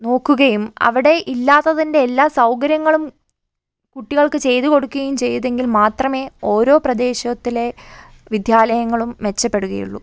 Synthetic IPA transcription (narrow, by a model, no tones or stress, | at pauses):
no̞ːkːuɣɐjumɐ̰ʋiɽe̞ʔilːaːt̪ːɐðinde̞ːlːaːsɐwkɐɾjɐŋːɐɭum | kuʈːiɣɐɭkɨt͡ɕe̞jt̪uko̞ɽukːuɣɐjumt͡ɕe̞jɐðe̞ŋɡilmaːt̪rɐme̞ːo̞ːɾo̞ːprɐd̪e̞ːɕɐt̪ːile̞ | ʋid̪ʱjaːlɐjɐŋːɐɭumʋe̞t͡ɕːɐpːe̞ɽuɣɐ̰jṵɭːṵ